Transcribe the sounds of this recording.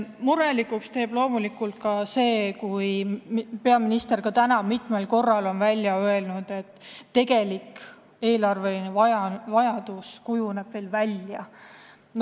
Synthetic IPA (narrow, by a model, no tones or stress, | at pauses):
muɾelikːˑukst̪e̞ːb̥lo̞ːmulikːˑult̪̚kɑse̞ːkujpe̞ɑminist̪e̞rkɑt̪ænɑmit̪ˑme̞lko̞rːɑlo̞nvælʲjɑøe̞lnud̪̥e̞t̪ˑːe̞ɡe̞lik | e̞ːlɑrve̞linevɑjɑvɑjɑd̪̥uskujune̞b̥ve̞ːlvælʲjɑ